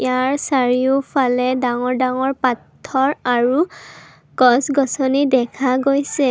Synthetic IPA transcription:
ijaɹsaɹiʊpʰalɛdaŋɔɹdaŋɔɹpatʰːɔɹaɹu | ɡɔsɡɔsɔnidɛkʰaɡojsɛ

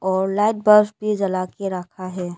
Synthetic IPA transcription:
ɔːɾlaːɪʈ̚bəɾsbʱid͡ʒɐlaːkeɾəkʰaɦɛː

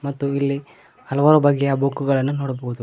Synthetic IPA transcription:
mɐt̪ːuilːi | hɐlɐʋaːɾubɐɡːejɐbukːuɡɐɭɐnːunoːɽɐboɦud̪u

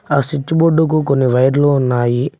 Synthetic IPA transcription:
aːsit͡ʃːuboɖːuk̬ukonːiʋɐjɐɾlounːaːji

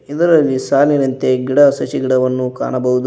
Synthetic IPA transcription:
id̪ɐɾɐlːisaːlinɐnt̪e̞ɡiɽɐsɐt͡ʃiɡiɽɐʋɐnːuka̰ːɳɐbɐɦud̪u

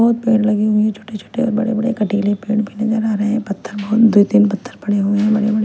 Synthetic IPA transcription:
ɔɦt̪̚peːɽlɐɡiɦʊ̃ẽt͡ʃʰo̥ːʈet͡ʃʰo̥ːʈeɔ̰ːɾbɐɽebɐɽḛkɐʈiklepẽːɳbʱined͡ʒaɾaːɾɐɦɛ̃pɐt̪ʰːəɾbɔɦʊt̪d̪uid̪inpɐt̪ʰːəɾpɐɽeɦuẽɦɛ̃bɐɽebɐɽe

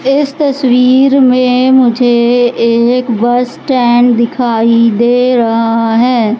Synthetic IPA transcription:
ɪst̪ɐswiːɾmẽmʊd͡ʒʱeeːkbɐsʈɛːɳd̪ɪkʰaːid̪eːɾɐɦaɦɛː

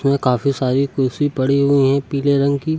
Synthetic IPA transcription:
mẽkaːfisaːɾikʊːsipɐɽiɦʊiɦɛ̃piːleɾɐ̃ŋɡkiː

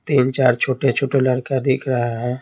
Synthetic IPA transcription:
t̪iːnt͡ʃaːɾt͡ʃʰoːʈet͡ʃʰoːʈeləɽkad̪ɪkʰɾəɦaɦɛː

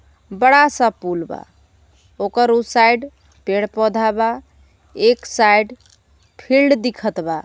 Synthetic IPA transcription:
bəɽasə̃pulba̰ | okəɾusajɖ | peɽpɔd̪ʱaba | eksajɖ | pʰilɖd̪ikʰət̪ba

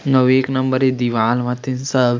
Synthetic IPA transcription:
nɐʋeːknɐmbəɾed̪iʋaːlʋɐ̃t̪ɪnsəb

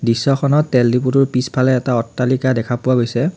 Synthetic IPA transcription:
disːɔxʰɔnɔtːɛldip̬utʊɹpispʰalɛːtaɔtːalikadɛkʰapʊaɡojsɛ

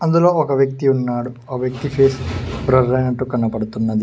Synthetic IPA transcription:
ɐnd̪uloːɔkɐʋjɐk̚t̪iunːaːɽu | ɐkʋjɐk̚t̪ipʰeːsbɾɐɾːɐjnɐʈːukɐɳːɐpɐɽut̪unːɐd̪i

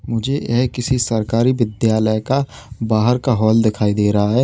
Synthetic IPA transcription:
mʊd͡ʒʱejɛ̰ɦkɪsisɐɾkaːɾiʋɪd̪jaːləjka | baːɦəɾkaɦɔːld̪ɪkʰaːid̪eːɾɐɦaɦɛː

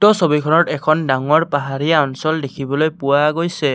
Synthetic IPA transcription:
tɔsobikʰɔnɔtɛkʰɔndaŋɔɹpaɦaɹijaɔnsɔldekʰibɔlojpʊwaɡojsɛ

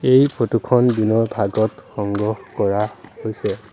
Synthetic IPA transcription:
ejpɹotukʰɔndinɔɹbʱaɡɔtxɔŋɡɔhkɔɹahojsɛ

